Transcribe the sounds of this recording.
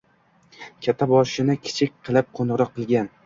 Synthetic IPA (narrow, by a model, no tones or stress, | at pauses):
kʲʰat̪ʰːabɒʃɪnɪkʲʰɪ̥t͡ʃʰɪk̚ʲqʰɨlˠɪp̚qʰonɾɒqʰːɨlˠɡʲan